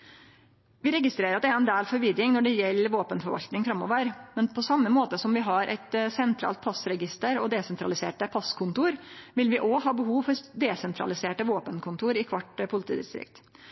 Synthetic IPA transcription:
ʋɪɾɛɡɪst̪ɾeːɾɑt̪ɛæɛnd̪eːlfɔɾʋɪd̪ɾɪŋnɔɖɛjɛlːəɾʋoːpənfɔɾʋɑ̰lt̪nɪŋfɾɑmːɔ̰ʋəɾmɛnpʰɔsɑmːəmoːt̪əsɔmʋɪɦɑɾʔɛ̰t̪sɛnt̪ʰɾɑ̰ːlt̪̚pʰɑsɾɛɡɪst̪əɾɔd̪ɛːsɛnt̪ɾɑ̰lɪsḛːʈəpʰɑskʰʊnt̪uːɾʋɪlʋɪʔoːhɑːbəɦuːʋfɔɾd̪eːsɛnt̪ʰɾɑ̰lɪseːʈəʋoːpənkʰʊnt̪ʰuːɾɪkʰʋɑʈpʰʊlɪt̪ḭːd̪ɪ̰st̪ɾɪ̰kt̪

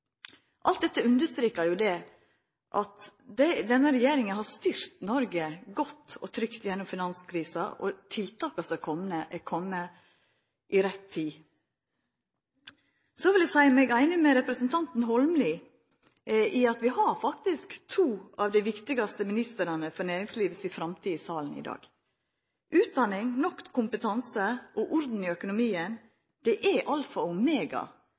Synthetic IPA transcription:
ʔɑlt̪̚d̪ɛt̪ːəʉnd̪əst̪ɾeːkɑɾjʊd̪ɛ | ʔɑt̪d̪ɛd̪ɛnːəɾɛjeːɾɪŋənhɑst̪yɾt̪nɔɾɡəɡɔt̪ːɔ̰t̪ʰɾʏkt̪jɛnːʊmfɪnɑnskʰɾiːsɑʔɔ̰t̪ʰɪlt̪ʰɑːkɑsɛkʰɔmnəʔɛkʰɔmːə | ʔɪɾɛt̪ʰːiː | sɔʋɪld̪æsæɪmɛːɡæɪnəmɛɾɛpɾəsnt̪ʰɑnt̪n̩ɦɔlmlɪ | ʔɪɑt̪ʋɪhɑɾfɑkt̪ɪskt̪ʰuːɑʋd̪æɪʋɪkt̪ɪɡɑst̪əmɪnɪst̪əɾɑnəfɔnæːɾɪŋsliːʋəsɪfɾɑmt̪ʰiːsɑːln̩ɪ̰d̪ɑ̰ːɡ̥ | ʔʉːt̪̚d̪ɑnɪŋnɔkkʰːʊmpət̪ʰɑnsəʔɔʔɔɾd̪n̩ɪœkʊnʊmiːən | d̪̥ɛʔæʔɑlfɑmeːɡɑ̰

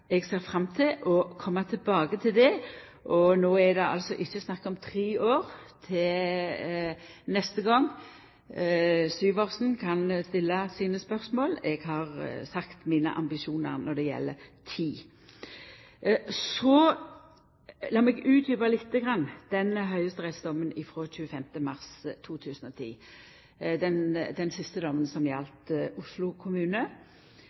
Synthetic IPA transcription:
ɛɡseːʁfɾɑmːt̪ʰɪlʔɔkʰɔmːɑt̪ʰɪlbɑːɡət̪ʰɪld̪ɛ | ʔɔnoːɛd̪ɛʔɑ̰lsɔʔɪçːəsnɑkːɔmt̪ʰɾeːoːʁt̪ʰɪl | nɛst̪əɡɔŋː | syːʋoːʁsn̩kʰɑnst̪ɪlːɑsiːnəspœʁsmoːlɛɡɦɑʁsɑkt̪miːnə̰ʔɑ̰mbɪʃuːnə̰ʁnɔʁd̪ɛjɛ̰lːə̰t̪ʰiː | sɔ | lɑːmɛɡʉːt̪ʰjʏːbɑlɪt̪ːəɡʁɑnːd̪̥ɛnɦœʏəst̪əʁɛsd̪ɔmːənɪfʁoːc͡çʉːəfɛmt̪əmɑʁst̪ʰːuːt̪ʰʉːsən̩ɔt̪ʰḭː | d̪ɛnd̪ɛnsɪst̪əd̪ɔmːənsɔmjɛlt̪ʊslʊkʰʊmʉːnə

